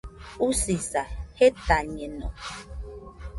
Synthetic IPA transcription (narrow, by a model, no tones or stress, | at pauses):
usisahet̪aɲenɔ̰̃